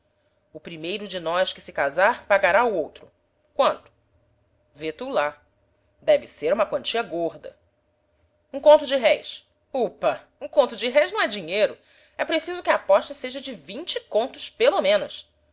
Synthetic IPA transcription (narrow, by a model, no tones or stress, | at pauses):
ʊpɾimejɾʊd͡ʒɪnɔskɪsɪkazaɾpaɡaɾaʊowt̪ɾʊ | kwɐ̃nt̪ʊ̥ | vet̪ula | d̪ɛvɪseɾũmɐkwɐ̃nt͡ʃiɐɡoɾd̪ɐ̰ | ũkõnt̪ʊd͡ʒɪɦɛjs | upɐ | ũkõnt̪ʊd͡ʒɪɦɛjznɐ̃w̃ɛd͡ʒiɲejɾʊ | ɛpɾesizʊkʲɪɐapɔʃt̪ɐseʒɐd͡ʒɪvĩɲt͡ʃɪkõnt̪ʊspelomẽnʊs